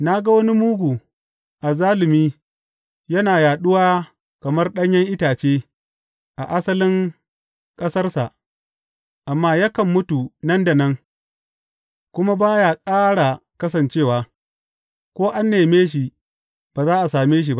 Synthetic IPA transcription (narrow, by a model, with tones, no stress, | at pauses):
na˦ɡa˦wɐ˦ni˦muː˦ɡʷu˨ | ʔa˨zaː˦lɪ˨miː˦ | jɐ˦naː˨jaː˨ɗʊ˦waː˦ | kɐ˨mɐ˦rɗɐ˦ɲjɐ˦ŋʔɪ˦taː˨t͡ʃeː˦ | ʔa˨ʔa˦sɐ˦lɪ˦ŋ | kʼɐ˦sɐ˦rsa˨ʔ | ʔa˨mːaː˦ja˦kɐ˨mːʊ˦tu˨nɐ˦nda˨nɐ˦ŋ | kʷʊ˦ma˦baː˦jaː˦˨kʼaː˦ɽa˨kɐ˦s̬ɐ˨nt͡ʃeː˦˨waː˨˦ | kʷoː˦ʔa˦nːeː˨meː˦ʃ̬i˨ | b̥aː˨zaː˦ʔa˨saː˨meː˦ʃ̬i˨ba˦